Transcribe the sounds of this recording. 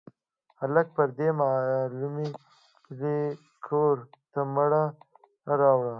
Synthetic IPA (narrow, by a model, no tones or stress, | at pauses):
halak̚pəɾd̪emalume | d̪e | kʰoɾt̪amaɽa | ɾɑwɽa